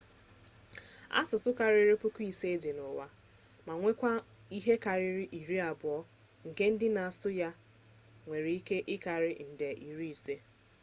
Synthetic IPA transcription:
a̰˦sʊ˨sʊ˦ka˨ɾɪ˦ɾe˦pʊ˦ku˦i˨se˦e˦de˨nʊ˨wa˦ | ma˨ŋʷe˦kʷa˦ | i˦ɦe˦ka˨ɾɪ˦ɾɪ˦ʔi˨ɾi˦a˨bʊ˨ɔ˦ | ŋ̩˨ke˦n̩˦dɪ˦na˨sʊ˦ja˦ | ŋʷe˨ɾi˨i˦ke˦ʔɪ˦ka˨ɾɪ˦n̩˨de˨ʔi˨ɾi˦i˨se˦

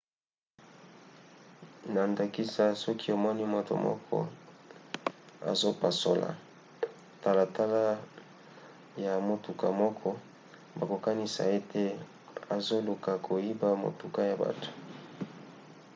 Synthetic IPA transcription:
na˨nda˨ki˦sa˦sɔ˦ki˦o˨mɔ˦ni˦mo˨to̰˨mɔ̰˦kʰɔ̰˦ | a̰˨zo˦pa˨so̰˨la̰˨ | ta˨la˨ta˦la˦ | ja˨mo˨tu˨ka˨mɔ˦kʰɔ˦ | ba˨ko˨ka˦ni˦sa̰˨e˦te˦ | a˨zo˦lu˨ka˨kʰo˨ji˦ba˦˨mo̰˨tu˨ka˦ja˨ba̰˨tu̥˨

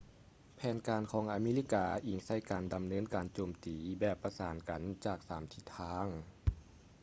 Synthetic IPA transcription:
pʰɛː˨˦nkaː˨˧nkʰɔː˨˦ŋʔaː˧meː˧˥li˧˥˩kaː˧ʔiː˨˩ŋsa˧˩jkaː˨nda˨mnɤː˧˥˨nkaː˨nt͡ɕoː˨mt̪iː˨bɛː˨˩pːa˧saː˨˩˦nka˨nt͡ɕaː˨˩k̚saː˩˦mt̪ʰi˧˩t̪ʰːaː˧˥ŋ

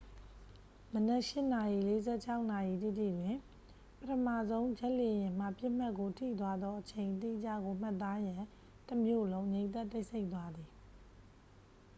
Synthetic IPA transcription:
mənɛ˦ʔʃɪ˦na˨ji˨le˦zɛ˦˨t͡ɕʰa˦ʊʔna˨ji˨t̪i˦˨t̪ḭ˦˨dwɪ̃˦˨ | pətʰəmä̰˦˨zõ˦ʊ̃ɲd͡ʑɛ˦ʔle˨jɪ̃˨m̥a̰˦˨pjɪ˦ʔm̥a˦ʔkːo˨tʰḭ˦˨t̪̬wa˦d̪ðɔ˦ʔət͡ɕʰẽ˨ɪ̃nt̪ḭ˦˨d͡ʑä̰˦˨ɡo˨m̥a˦˨t̪ːa˦jã˨ | təmjo̰˦˨lõ˦ʊ̃ɲẽ˨˦ɪ̃t̪ɛ˦˨tːe˦ɪʔsʰe˦ɪʔt̪̬ːwa˦d̪ði˨

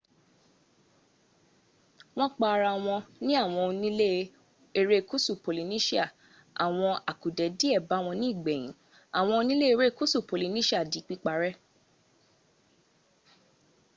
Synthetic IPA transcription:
w̃ɔ̃˦k͡pa˧ɾa˧w̃ɔ̃˧nĩ˦a˦˨w̃ɔ̃˧o˧nĩ˦le˦ | e˧ɾe˦˨ku˦su˦˨po˨li˨˧nĩ˦ʃi˦a˦˨ | a˨w̃ɔ̃˧a˨ku˨dɛ˨˦di˦ɛ˦˨ba˨˦w̃ɔ̃˧nĩ˦i˦˨ɡ͡bɛ˨j̃ĩ˨˦ | a˨w̃ɔ̃˧o˧nĩ˦le˦e˦˧ɾe˦˨ku˦su˦˨po˨li˨˧nĩ˦ʃi˦a˦˨di˨˦k͡pi˦k͡pa˧ɾɛ˦

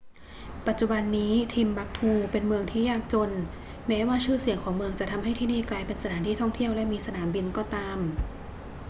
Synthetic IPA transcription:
pa˨˩t̪̚t͡ɕu˨˧˩ba˧nːiː˦˥t̪ʰiː˧mba˧˥k̚t̪ʰuː˧˩pe˧nmɯ˧əŋt̪ʰiː˥˩jaː˥˩k̚t͡ɕo˧n | mɛː˦˥waː˥˩t͡ɕʰɯː˥˩si˨˩˦əŋkʰɔː˩˦ŋmɯ˧əŋt͡ɕa˨˩ʔt̪ʰa˧mɦa˥˩jt̪ʰiː˥˩niː˥˩klaː˧jpe˧nsa˧tʰaː˩˦nt̪ʰiː˥˩t̪ʰɔ˥˩ŋt̪ʰi˥˩əwlɛ˦˥ʔmiː˧sa˧naː˩˦mbi˧nkɔː˧˥˩t̪aː˧m

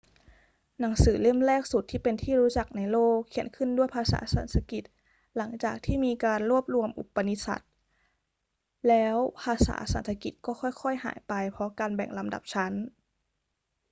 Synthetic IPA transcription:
na˩˦ŋsɯː˩˦le˥˩mlɛː˥˩k̚su˨˩t̪ʰːiː˥˩pe˧nt̪ʰiː˥˩ɾuː˦˥t͡ɕa˨˩k̚na˧jloː˥˩kʰːi˧˩˦ənkʰɯ˥˩ndu˥˩əjpʰaː˧sa̰ː˩˦sa̰˨˩˦nsʰa˧˦ki˨˩t̪̚ | la˩˦ŋt͡ɕaː˨˩k̚t̪ʰiː˥˩miː˧kaː˧nɾu˥˩əp̪̚lu˧əmʔṵ˨˩pːa˧ni˧˦˥sa̰˨˩t̪̚ | lɛː˦˥wpʰaː˧sa̰ː˩˦sa̰˨˦nt̪ʰa˧ki˨˩t̪̚kɔː˥˩xʰɔ˥˩jkʰɔ˥˩jha̰ː˩˦jpa˧jpʰɔ˦˥kaː˧nbɛ̰˨˩ŋla˧mda̰˨˩p̚t͡ɕʰa˦˥n

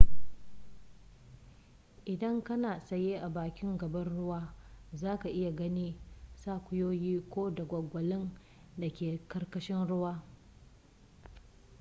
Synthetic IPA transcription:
ʔɪ˨dɐ˦ŋkɐ˦naː˨sɐ˨jeː˦ʔa˨baː˨kʲɪ˦ŋɡɐ˨bɐ˦nɽʊ˦waː˦zaː˦ka˨ʔɪ˦ja˨ɡɐ˦niː˦saː˦kʷʊ˦joː˦jiː˦kʷoː˦dɐ˨ɡʷɐ˨ɡʷɐ˨lɪ˦n | da˨kʲeː˨kɐ˦rkɐ˦ʃɪ˦nɽʊ˦waː˦

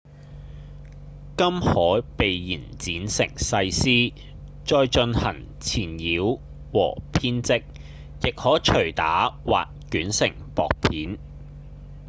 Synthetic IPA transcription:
kɐ˥mhɔː˨˥pe˨jjiː˨˩nt͡siː˨˥nsɪ˨˩ŋsɐ˧jsiː˥ | t͡ʃɔː˧jt͡ʃɵ˧nhɐ̰˨˩ŋ | t͡sʰiː˨˩njiː˨˥w | wɔ̰ː˨˩pʰiː˥nt͡sɪ˥k̚ | jɪ˨k̚hɔː˨˥t͡ʃʰɵ˨˩ɥt̪a̰ː˨˥wa̰ː˨k̚kyː˨˥nsɪ̰˨˩ŋpɔː˨k̚pʰiː˨˥n

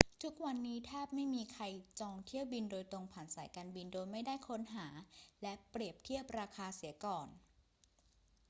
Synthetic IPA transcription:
t̪ʰu˦˥k̚wa˧nːiː˦˥t̪ʰaː˥˩p̚ma˥˩jmiː˧kʰa˧jt͡ɕɔː˧ŋt̪ʰi˥˩əwbi˧ndoː˧jt̪o˧ŋpʰaː˩˦nsaː˩˦jkaː˧nbi˧ndoː˧jma˥˩jdaː˥˩jkʰo˦˥nɦaː˩˦lɛ˦˥pɾi˨˩əp̚t̪ʰi˥˩əp̚ɾaː˧kʰaː˧si˩˦ɐkɔː˨˩n

